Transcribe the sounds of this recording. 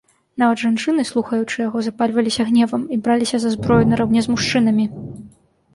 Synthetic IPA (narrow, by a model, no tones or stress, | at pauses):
navɐd̪ʐant͡ʂɨnɨslˠuxɐjut͡ʂɨjaɣɔzapalʲvɐlʲisʲɐɣnʲɛvɐmibɾalʲisʲɐzɐzbɾɔjunɐɾawnʲɛzmuʂt͡ʂɨn̪ɐmʲi